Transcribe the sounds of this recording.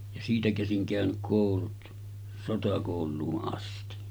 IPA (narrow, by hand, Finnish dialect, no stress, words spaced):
jɑ siːtæ kæsiŋ kæˑønyk koˑulut sotɑkoˑulˑuːʔ ʔɑsti